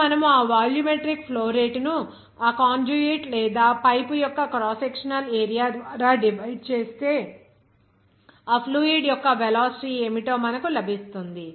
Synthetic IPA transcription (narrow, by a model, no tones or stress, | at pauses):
mɐnɐmuaːʋaːljumeʈɾik̚pʰloːɾeːʈnu | aːkaːnd͡ʒuɡiʈlɛːd̪aːpɐjpujɔkːɐkɾaːsekʂɐnɐleːɾijaːd̪ʋaːɾaːɖibʱɐjɖ̚t͡ʃe̞ːst̪e̞ː | aːpʰluːiɖjɔkːɐʋɛlaːsʈiːemiʈoːmɐnɐkulɐbʱist̪und̪i